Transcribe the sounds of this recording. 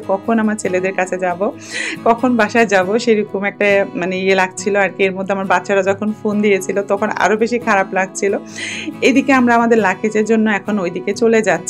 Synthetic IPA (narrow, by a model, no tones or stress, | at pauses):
kɔkʰonamaɾt͡ɕʰeled̪eɾkat͡ɕʰed͡ʑabo | kɔkʰonbaʃaed͡ʑaboʃejɾukumɛk̚ʈamaneielaɡ̚t͡ɕʰiloaɾkeeɾmod̪ʱːeamaɾbatːʃaɾad͡ʑɔkʰonfond̪ijet͡ɕʰilot̪ɔkʰona̰ɾobeʃikʰaɾaplaɡ̚t͡ɕʰiloed̪ikeamɾaamad̪eɾlakʰet͡ɕeɾd͡ʑonːoɛkʰonojd̪iket͡ɕoled͡ʑatːɕʰ